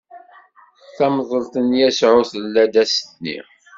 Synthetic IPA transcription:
θæmðˤəlt̪ənjæsʕʊθəlːæd̪æsə̥t̪nḭ

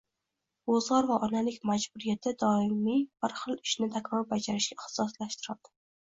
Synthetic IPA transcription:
ozʁɒɾvaʔɒnalɪkʲmad͡ʒbʊɾijat̪ʰɪd̪ɒɪmib̥ɪɾχɨlˠɪʃnɪt̪ʰakʲɾɒɾbad͡ʒaɾɪʃɡʲaχt̪sɒslaʃt̪ɪɾad̪̥ɪ̥

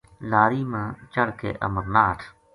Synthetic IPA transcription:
laːɾiːmãːt͡ʃəɽkḛːʔə̰məɾnaːʈʰ

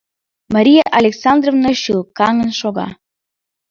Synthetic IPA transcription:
mɑɾʲijaʔalʲeksɑnd̪rovnoɕɯlˠkɑŋə̆nʃoɣɑ̰

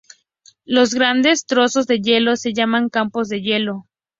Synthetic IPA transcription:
lo̞zɣɾand̪e̞st̪ɾo̞so̞zðe̞ʝe̞lo̞se̞ʝamãŋkampo̞zðe̞ʝe̞lo̞

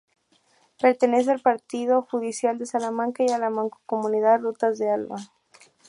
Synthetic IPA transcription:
pe̞ɾt̪e̞ne̞s̬ealpaɾt̪ið̞o̞xuðisjald̪e̞salamãŋkaialamaŋkokomũniðaðrut̪azðe̞alβa

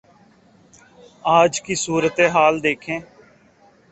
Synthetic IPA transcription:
aːd͡ʒkiːsuːɾət̪eːɦaːld̪eːkʰẽː

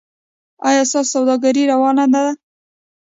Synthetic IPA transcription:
ɑjɑst̪ɑsawd̪ɑɡaɾiɾawɑnad̪ad̪a

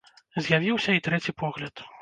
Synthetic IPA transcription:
zʲjavʲiwsʲɐit̪ɾɛt͡sʲipʰɔɣlʲɐt̪

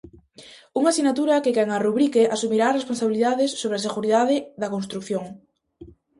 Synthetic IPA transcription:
uŋasinat̪uɾɐkeɣɛŋaruβɾikeʔasumiɾaːresponsaβiliðaðɪsːoβɾeaseɣuɾiðaðɪðɐkonst̪ɾukθjoŋ

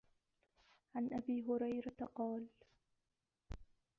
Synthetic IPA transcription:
ʕanʔabiːɦʊɾajɾat̪qɑːl

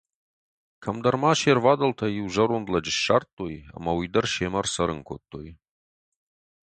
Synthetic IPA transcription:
kʰɐmd̪ɐrmaːʃervad̪ɐlt̪ʰɐjiwʒɐɾondlɐd͡ʒɪʃːart̪ʼːoja̰mawid̪ɐrʃemɐrsɐɾɨŋkʷʰot̪ʰʼːo̰j

